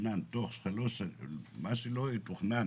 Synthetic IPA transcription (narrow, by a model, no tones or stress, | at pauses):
nænt̪oχsχelosemasiloit̪uχnæ